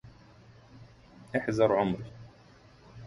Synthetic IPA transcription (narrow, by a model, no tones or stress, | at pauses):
ʔaħzɑɾˤʕʊmɾɪ